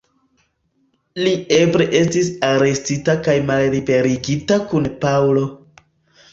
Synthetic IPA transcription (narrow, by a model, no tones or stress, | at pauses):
lie̞bɾe̞ʔe̞stis̬aɾe̞stitakajmalɾibe̞ɾiɡitakunpawlo̞